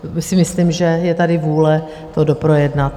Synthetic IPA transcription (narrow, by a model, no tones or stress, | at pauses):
sɪmɪslimʒɛjɛt̪adɪvuːlɛ | t̪odopɾo̞jɛdnat̪